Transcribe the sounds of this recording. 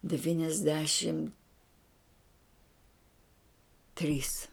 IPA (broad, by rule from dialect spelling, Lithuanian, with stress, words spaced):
dʲɛʋʲiːnʲɛzʲˈdʲæːʃʲɪm tʲrʲiːs